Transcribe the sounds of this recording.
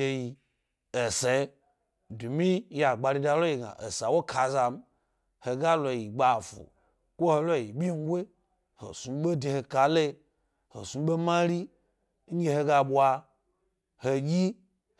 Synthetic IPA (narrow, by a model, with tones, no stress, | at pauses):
e˧ji˨ | e˨se˨˦ | du˨mi˦ja˨ɡ͡ba˧ɾi˧da˧˨lo˦ji˨ɡa̰˨ʔḛ˨sa˨wo˦kʰa˨za˨m˦ | he˨ɡa˦lo˨ji˨ɡ͡ba˨fṵ˨ | kʷo˦ho˧lo˦˨ji˨ɓʲi˦n̩˦ɡʷe˦ | ho̰˨su˨˦ɓe˦de˨he˨ka˨le˦ | ho̰˨su˨˦ɓe˦mã˦ɾi˦ | n̩˦ɡe˧he˧ɡa˧ɓwa˧ | he˨jʲi˦